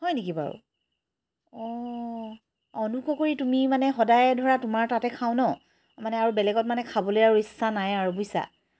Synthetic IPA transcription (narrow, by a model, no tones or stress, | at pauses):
hɔjnekiba̰ɹṵ | ɔ | ɔnukɔkoɹitumimanɛxɔdajɛdʱɔɹatumaɹtatɛkʰaw̃nɔ | manɛaɹubɛlɛɡɔt̚manɛkʰabɔlojaɹuisːanajaɹubujsa̰